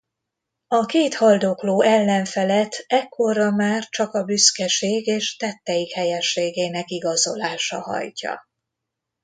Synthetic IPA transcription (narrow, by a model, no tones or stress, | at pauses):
ɒkeːt̪hɒld̪okloːʔɛlːɛɱfɛlɛt̪ʰːɛkʰːo̞rɒmaːrt͡ʃɒkɒbyskɛʃeːɡeːʃt̪ɛt̪ːɛjikhɛjɛʃːeːɡeːnɛkiɡɒzo̞laːʃɒhɒ̰jcɒ̰